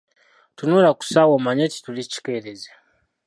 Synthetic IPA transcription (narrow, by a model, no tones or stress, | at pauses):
tunuɾaku̥sawomaɲeti̥tulit͡ʃi̥keɾeze